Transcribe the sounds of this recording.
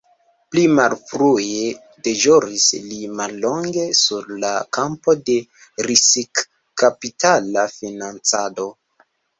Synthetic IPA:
plimalfɾue | de̞ʒoɾislimalːo̞ŋɡe̞suɾlakampo̞de̞ | ɾisik | kapitalafinant͡sado̞

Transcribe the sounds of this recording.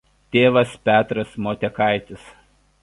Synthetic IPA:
t̪ʲeːʋɐspʲæːt̪ɾɐsmoːt̪ʲɛkɐɪt̪ʲɪs

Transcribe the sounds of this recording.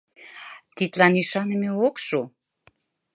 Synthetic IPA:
t̪it̪lɑniʃɑnəmeokʃo

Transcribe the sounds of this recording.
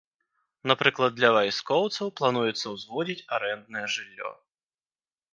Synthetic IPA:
napɾɨklˠɐd̪lʲɐvajskɔwt̪sɐwplˠɐnujɛt̪sːɐwzvɔdʲitʲɐɾɛnd̪nɐjɛʐɨlʲːɔ̰

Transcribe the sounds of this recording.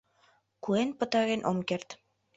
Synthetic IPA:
kuenpə̆t̪ɑɣenʔomkert̪

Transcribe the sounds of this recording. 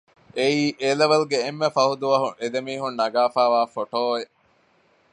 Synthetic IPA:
eiːʔelɐʋɐluɡeːmːefɐɦud̪uʋɐɦuʔed̪emiːɦunːɐɡaːfaːʋaːfoʈoːe

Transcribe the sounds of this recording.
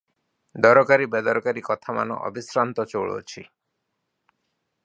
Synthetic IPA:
d̪ɔɾɔkaɾibɛd̪ɔɾɔkaɾikɔt̪ʰama̰nɔ̰ʔɔ̰bisɾant̪ɔt͡ʃowɭo̰t͡ʃʰḭ

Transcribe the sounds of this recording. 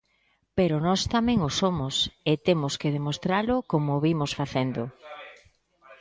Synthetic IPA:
peɾʊnɔst̪amɛ̃ŋʊsomʊset̪emʊskeðemost̪ɾalʊkomoβimʊsfaθend̪ʊ

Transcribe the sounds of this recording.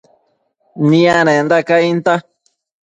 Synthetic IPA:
nĩanẽnd̪akaint̪a

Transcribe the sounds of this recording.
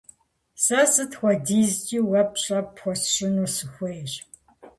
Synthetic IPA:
sɐsɨtxʷɔdiːzt͡ʃʼiːwɐpɕʼɐpxʷɔsɕɪnuːsɨxʷejɕ

